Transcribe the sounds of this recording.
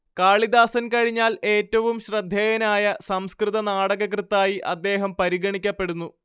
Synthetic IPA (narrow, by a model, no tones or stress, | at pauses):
kaːɭid̪aːsɐnkɐɻiɲːaːle̞ːtːɐʋumɕrɐd̪ʱːeːjɐnaːjɐsɐmskrɨðɐnaːɽɐɣɐkrɨt̪ːaːjiʔɐd̪ːe̞ːɦɐmpɐɾiɡɐɳikʲːɐpːe̞ɽunːu